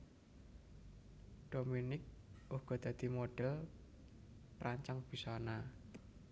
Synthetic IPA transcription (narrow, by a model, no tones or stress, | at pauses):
ɖ̥ominɪk̚uhɡ̥ɔ̤d̪̥ä̤d̪̥i̤moɖ̥ɛl | pɾaɲt͡ʃaŋb̥i̤sɔna